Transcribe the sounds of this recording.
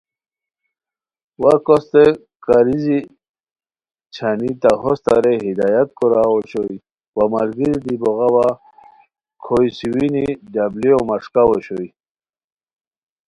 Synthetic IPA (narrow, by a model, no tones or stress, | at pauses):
waɾkɔst̪e | kaɾizi | t͡ɕʰanit̪aɦɔst̪a̰ɾeɦid̪ajat̪kɔɾaɔɕoj | wamaɾɡiɾid̪ibɔɣawa | kʰojsiwinidabliomaʂkawɔɕoj